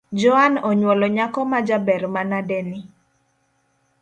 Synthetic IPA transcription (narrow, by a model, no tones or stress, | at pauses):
d͡ʒɔanɔɲwɔlɔɲakɔmad͡ʒabɛɾmanadɛni